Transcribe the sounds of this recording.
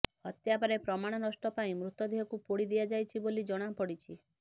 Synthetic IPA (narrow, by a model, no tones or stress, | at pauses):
hɔt̪japaɾepɾɔmaɽ̃ɔnɔsʈɔpaĩmɾut̪ɔd̪ʱiɦɔkupoɽid̪ijad͡ʒajt͡ʃʰibolid͡ʒɔɽ̃apɔɽit͡ʃʰi